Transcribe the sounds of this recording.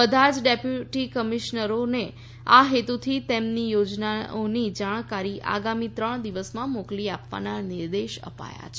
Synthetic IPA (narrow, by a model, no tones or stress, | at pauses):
əd̪ʱad͡ʒɖepjuʈikəmiʃnəɾone | aɦet̪ut̪ʰit̪emnijod͡ʒnaonid͡ʒaɽ̃kaɾiʔa̰ɡamit̪ɾəɳ̃d̪iʋəsmãmokliapʋa̰naniɾd̪eʃə̰pa̰ja̰t͡ʃʰ